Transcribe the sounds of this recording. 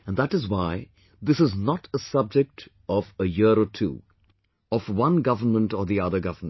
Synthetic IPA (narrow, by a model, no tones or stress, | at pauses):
ə̃nd̪æʈɨzwaɪ | ðɪsɨznətəsʌb̚d͡ʒɪk̚ʈ | ɔvəjɪɾɔtʰṵː | ɔfwʌ̃nɡʌvənmə̃ntɔðiʌðə˞ɡʌvəm